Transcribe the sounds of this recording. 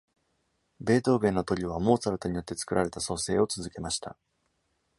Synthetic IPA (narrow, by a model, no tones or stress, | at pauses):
be̞ːt̪o̞ːbe̞ːno̞t̪o̞ɾʲiβ̞amo̞ːt͡saɾɯt̪oɲ̟ijot̪ːe̞t͡sɨ̥kɯ̟ɾʔaɾe̞t̪aso̞se̞ːo̞t͡sɨzɨke̞maɕi̥t̪a̰